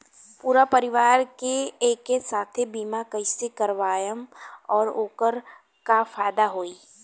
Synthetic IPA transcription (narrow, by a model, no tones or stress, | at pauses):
puːɾapəɾɪʋaːɾkeeːkesaːt̪ʰebiːmakəɪsekɐɾʋaːjəmɔːɾoːkəɾ | kafaːjd̪aɦoːiː